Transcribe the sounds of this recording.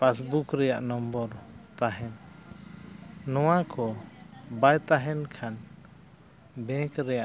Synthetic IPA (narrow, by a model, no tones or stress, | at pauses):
pasbukɾɛjaʔnɔmbɔɾt̪aɦɛn | ɔwakʰɔbajt̪aɦɛnkʰan | bɛ̃kɾɛjaʔ